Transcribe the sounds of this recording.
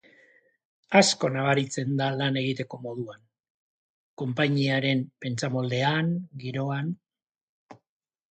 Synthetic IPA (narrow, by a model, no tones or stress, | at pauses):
asko̞naβaɾit͡se̞nd̪alane̞ɣ̞it̪e̞ko̞mo̞ð̞uan | ko̞mpaɲiaɾe̞mpe̞nt͡samo̞ld̪e̞aŋɡiɾo̞an